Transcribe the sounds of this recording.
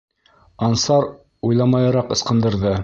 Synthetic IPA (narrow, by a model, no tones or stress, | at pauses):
ɑnsɑɾ | ujlˠɑmɑjɑɾɑqɤ̆sqɤ̆nd̪ɤ̆ɾðɤ